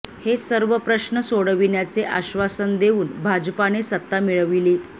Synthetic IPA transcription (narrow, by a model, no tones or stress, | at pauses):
hesəɾʋəpɾəɕnəsoɽəʋinjat͡seʔaɕʋasənd̪euːnbʱad͡ʑpanesət̪ːamiɭəʋiliː